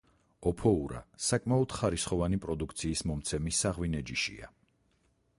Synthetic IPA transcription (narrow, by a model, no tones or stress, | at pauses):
ɔpʰɔuɾa̰sakʼmaɔd̪̥χaɾisχɔvanipʼɾɔd̪uk̚ʰt̪sʰiːsmɔmt̪sʰɛmisːaʁwinɛd͡ʒiʃḭa̰